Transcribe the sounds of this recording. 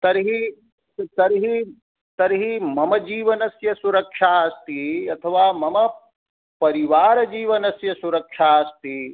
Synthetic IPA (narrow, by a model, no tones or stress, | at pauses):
t̪ɐɾɦi | t̪ɐɾɦi | t̪ɐɾɦimɐmɐd͡ʒiːʋɐnɐsjɐsuɾɐkʂaːɐst̪iɐt̪ʰɐʋaːmɐmɐ | pɐɾiʋaːɾɐd͡ʒiːʋɐnɐsjɐsuɾɐkʂaːɐst̪i